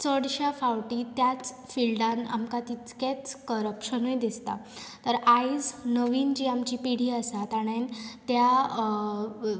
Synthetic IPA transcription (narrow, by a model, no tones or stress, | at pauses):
t͡səɽɕafaʋʈiːt̪jat͡s | filɖana̰mkat̪it͡sket͡skəɾəpɕənujd̪ist̪a̰ | t̪əɾaisnəʋiːnd͡ʑiːamt͡ɕiːpiɽ̤iːasat̪aɽ̃ent̪ja